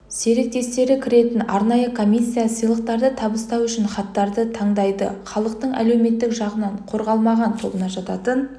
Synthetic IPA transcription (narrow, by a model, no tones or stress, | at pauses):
se̞ɾe̞k̚t̪e̞st̪e̞ɾɪkʲʰɪɾe̞t̪ɪnɑɾnɑjəkʰo̞mʲijsʲːijasəjlˠəq̚t̪ɑɾd̪ət̪ʰɑbəst̪ɑwʏʃɪnχɑt̪ːɑɾd̪ət̪ʰɑɴd̪ɑjd̪ə̰χɑlˠəq̚t̪əɴæ̰le̞wme̞t̪ːɪkʒɑʁənɑɴqʰo̞ɾʁɑlˠmɑʁɑnt̪ʰo̞̰bənɑʒɑt̪ɑt̪ən